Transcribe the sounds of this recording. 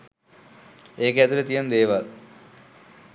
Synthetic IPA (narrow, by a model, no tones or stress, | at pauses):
eːkəæt̪ulet̪ijand̪eːʋal